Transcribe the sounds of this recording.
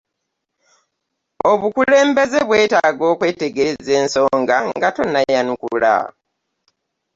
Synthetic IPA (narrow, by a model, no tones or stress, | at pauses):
o̞βukule̞ːmbe̞ze̞βwe̞ːtaːɡo̞ːkwe̞ːte̞ɡeze̞ːnso̞ːŋɡaŋɡato̞najanukṵla̰